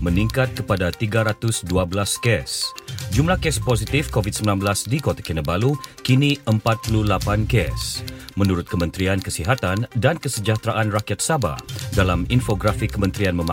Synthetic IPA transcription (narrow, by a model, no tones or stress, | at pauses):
məniŋkat̪̚kəpadat̪iɡaɾat̪ʊsduabəlaskɛsd͡ʒumlahkɛsposit̪ifkovit̪̚səmbilanbəlasdikot̪ḁkɛnəbalukiniʔəmpat̪̚pululapankɛsmənuɾʊt̪̚kəmənt̪ɾiankəsiɦat̪andankəsəd͡ʒat̪ɾaʔanrakiat̪̚saba̰dalaminfoɡɾafikːəmə̃nt̪ɾianməma